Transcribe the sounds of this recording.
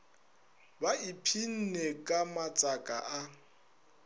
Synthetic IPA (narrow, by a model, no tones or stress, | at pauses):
baipʰin̩nekʼamat͡sʼakʼa̰ʔa